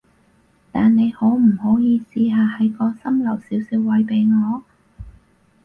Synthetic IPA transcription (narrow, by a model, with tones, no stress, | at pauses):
t̪aː˨nne˨˧jho˨˥wm̩˨˩hɔ˨˥jiː˧siː˧ɦaː˨˧hɐ˨˥jkɔː˧sɐ˥mlɐ˨˩wsiː˨˥wsiː˨˥wwɐ˨˧˥jpe˨˧jŋɔː˨˧